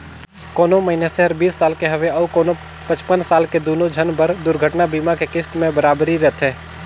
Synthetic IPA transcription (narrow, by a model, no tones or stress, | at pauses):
koːnoməɦineseɦɐɾbiːsːaːlkeɦəʋeɐʊkoːno | pət͡ʃpənsaːlked̪oːnod͡ʒʱənbəɾd̪ʊɾɡʱəʈnabiːmakekɪst̪mẽbəɾaːbɾiɾɛt̪ɦɛː